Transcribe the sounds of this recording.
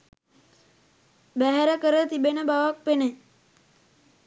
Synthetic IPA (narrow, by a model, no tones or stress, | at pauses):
bæɦæɾəkəɾət̪ibenəbaʋak̚pene